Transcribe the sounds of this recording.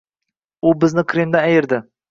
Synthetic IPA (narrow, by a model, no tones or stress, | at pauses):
ʊbɪznɪkʲʰɾemd̪aæjɪɾd̪ɪ